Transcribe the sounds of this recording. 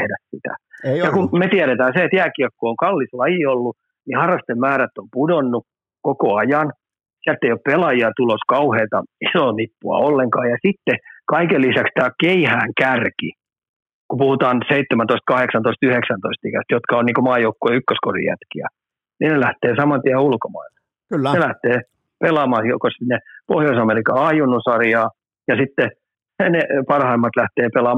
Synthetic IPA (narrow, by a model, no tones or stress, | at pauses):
hdæssit̪æ̰jɑkumet̪iæɾet̪æːnseet̪jæːkikkːooŋkɑlːislɑjiolːu | nihɑrːɑst̪emmæːɾæt̪ːompudonːu | kokoɑjɑn | siælt̪ːeioppelɑjiɑt̪uloskɑuheːlt̪ɑisolipːuɑ̰olːeŋkɑːjɑsit̪ːekɑikelːisækst̪æːkeihæːŋkærki | kupuhut̪ɑːnseit̪ːemænt̪oist̪kɑheksɑnt̪oist̪yheksɑnt̪oist̪ikæst̪jot̪kɑonniːkomɑːjoukːoeːykːøsko̰rḭjæ̰t̪kiæ̰ | niːnelæht̪eːsɑmɑnt̪iæulkomɑ̰ilːe | nelæht̪eː | pelɑːmɑːsokosinːepohjoisɑmelikɑɑjunːusɑrjɑː | jɑsit̪ːe | nepɑrhɑimːɑt̪læht̪eːpelɑː